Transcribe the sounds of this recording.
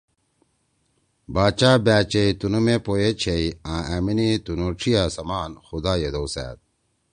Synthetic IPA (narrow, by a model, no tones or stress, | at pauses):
baːt͡ɕaːbaːt͡ɕeit̪unumepoːjet͡ɕʰeiãːaminit̪unoːʈ͡ʂʰijaːsɐmaːnxud̪aːjed̪owsæ̰ːt̪̚